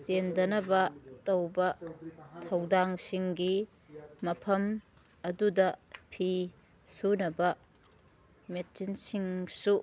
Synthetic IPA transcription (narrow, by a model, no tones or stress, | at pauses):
sendɐnɐbɐtɐwbɐtʰɐwdaŋsiŋɡi | mɐpʰɐm | ɐdudɐpʰi | sunɐbɐ | met̚t͡ʃinsiŋsu